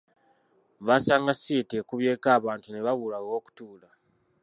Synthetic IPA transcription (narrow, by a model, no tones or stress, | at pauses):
βasaːŋɡasiːtekuβje̞ːkaːβaːntune̞βaβulaɣo̞ːku̥tuːla